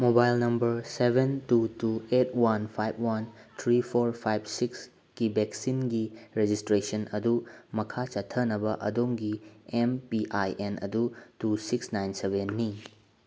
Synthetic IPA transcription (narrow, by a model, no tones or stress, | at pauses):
mobajlnɐmbɐɾsebentutuet̚wanpʰajb̚wantʰɾipʰoɾpʰajb̚siks | kibeksinɡiɾed͡ʒistɾesɐnɐdumɐkʰat͡ʃɐtʰɐnɐbɐʔɐ̰doŋɡiempiʔajʔenɐ̰dutusiksnajnsebʱenːi